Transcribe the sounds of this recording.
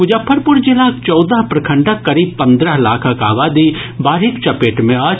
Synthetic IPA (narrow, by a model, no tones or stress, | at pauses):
kʊd͡ʒəpʰːəɾpʊɾd͡ʒɪlaːkt͡ʃɔːd̪əɦpɾɐkʰə̃ɳʈəkːɐɾiːb̚pɐ̃nd̪ɾəɦlaːkʰəkaːʋaːd̪ibaːɾɦɪkt͡ʃɐpeːʈmẽaː